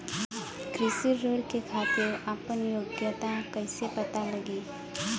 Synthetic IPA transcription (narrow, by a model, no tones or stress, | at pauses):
kɾɪsiɾoːɽkekʰaːt̪ɪɾapənjoːɡjət̪akɐɪsepɐt̪alɐɡi